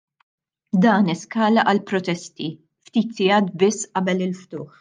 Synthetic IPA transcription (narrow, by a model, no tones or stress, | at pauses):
d̪ɐːnɪskɐːlɐʔɐlpɾɔt̪ɛst̪i | ft̪iːt̪sɪjɐːt̪̚bɪsːʔɐbɛlɪlft̪ʊːħ